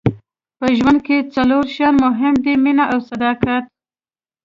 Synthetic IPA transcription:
pəʒwand̪̚ket͡saloɾʃɑnmʊɦɪmd̪iminaʔawsad̪ɑkat̪

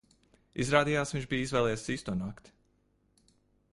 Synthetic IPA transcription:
ḭzɾaːd̪ijaːsviɲʲt͡ʃbiːizvɛːlˠɛjɛsiːst̪uɔnaːkt̪

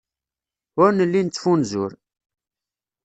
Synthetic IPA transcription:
ʊɾnəlːint͡sːfunzʊ̰ɾ

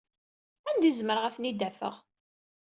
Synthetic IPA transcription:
ænd̪izməɾəʁæθnid̪æfə̰ʁ

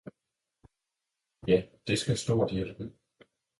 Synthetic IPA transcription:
jæd̥e̝sɡ̥æsd̥ɔ̰ːd̥il̥

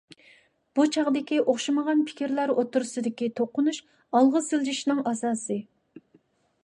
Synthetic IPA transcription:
b̥ut͡ʃʰɑʁd̪ɪkʲiʔoχʃɑməʁɑnpʰɪ̥kʲiɾlæɾot̪ʊɾɨsɨd̪ɪkʲit̪ʰoqːʊnuʃ | ɑlˠʁəsɪlˠd͡ʒiʃnɪŋɑsɑːsɨ

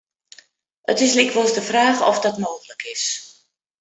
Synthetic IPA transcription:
ə̰tɪslikʰʋosdəfraːxɔ̰fdɔtmoːɣələkʰɪs

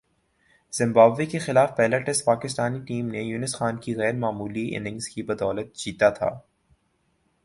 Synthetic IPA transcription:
z̥ɪ̃mbaːbʋekexɪlaːfpɛːləʈɪspaːkɪst̪aːniʈiːmnejuːnɪsxaːnkiɣɛːɾmaːmuːliʔɪ̰nɪ̃ŋɡz̥kibɐd̪ɔːlət̪̚d͡ʒiːt̪at̪ʰa̰ː

